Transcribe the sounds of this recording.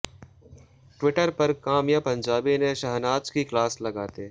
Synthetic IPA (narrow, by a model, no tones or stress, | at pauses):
ʈwɪʈəɾpɐɾkaːmjapɐ̃ɲd͡ʒaːbineʃɐɦnaːt͡ʃkiklaːslɐɡaːt̪eː